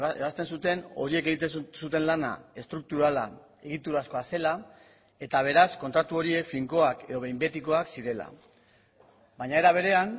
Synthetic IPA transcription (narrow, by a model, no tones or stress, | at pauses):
eβast̪e̞nsut̪e̞no̞̰ɾie̞ke̞ɣit̪esut̪e̞nlana̰e̞st̪ɾuk̚t̪uɾala̰ | e̞ɣ̞it̪uɾasko̞ase̞la | e̞t̪aβ̞e̞ɾasko̞nt̪ɾat̪uo̞ɾie̞kfiŋko̞ake̞ðo̞βe̞jmbe̞t̪iko̞aksiɾe̞la̰ | baɲae̞ɾaβ̞e̞ɾe̞an